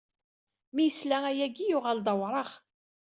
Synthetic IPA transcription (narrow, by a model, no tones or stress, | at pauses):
mijəslææjæɡijʊʁald̪ˤɑwɾˤɑχ